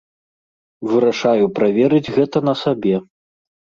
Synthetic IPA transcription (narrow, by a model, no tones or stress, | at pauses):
vɨɾaʂajupɾavʲɛɾɨd͡zʲɣɛt̪ɐnɐsabʲɛ